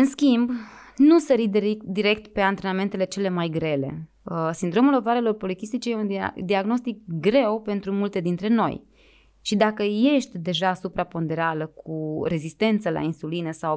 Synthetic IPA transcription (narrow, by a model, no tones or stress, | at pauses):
ɨnskʲimb | nusəɾid̪eɾid̪iɾe̞k̚t̪pe̞ant̪ɾe̞name̞nt̪e̞le̞t͡ʃe̞le̞majɡɾe̞le̞̰ | əsind̪ɾo̞mulo̞vaɾe̞lo̞rpo̞likist̪it͡ʃejeund̪d̪iaɡno̞st̪ik̚ɡɾe̞wpe̞nt̪ɾumult̪e̞d̪int̪ɾe̞no̞̰j | ʃid̪akəje̞ʃt̪ʲd̪e̞ʒaːsupɾapo̞nd̪e̞ɾaləkʰuɾe̞zist̪e̞nt̪səla̰insulinəsaw